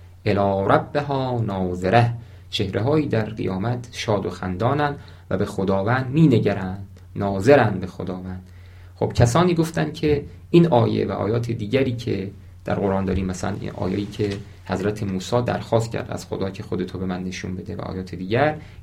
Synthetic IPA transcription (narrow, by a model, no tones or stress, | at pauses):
ʔelɒːɾʔæbːeɦɒːnɒːzeɾæh | t͡ʃʰe̞hɾʔeɦɒːiːd̪æɾɢḭjɒːmæt̪ʰʃɒːd̪o̞xæ̰nd̪ɒːnænd̪ | væ̰be̞xod̪ɒːvænd̪miːneɟæɾænd̪̥ | nɒːze̞ɾænd̪be̞xod̪ɒːvænd̪̥ | χo̰b̥cʰæsɒːniːɡoft̪æn̥cʰe | ʔinɒːjḛvæʔɒ̰ːjɒːt̪ʰed̪iːɟæɾiːcʰe | d̪̥æ̰ɾɢoɾʔɒːnd̪ɒːɾiːmːæsælæ̰nḭnʔɒ̰ːjejiːcʰe | hæzɾæt̪ʰemuːsɒːd̪æ̰ɾxɒːst̪cʲʰæ̰ɾd̪æ̰z̥xo̰d̪ɒːcʰexod̪e̞t̪ʰobe̞mænːe̞ʃunbe̞d̪evæ̰ʔɒ̰ːjɒːt̪ʰed̪iːɟæɾ